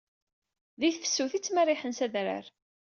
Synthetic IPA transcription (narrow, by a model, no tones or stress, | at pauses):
ðiθfə̥sːuθit͡sːmæriħənsæðɾa̰ɾ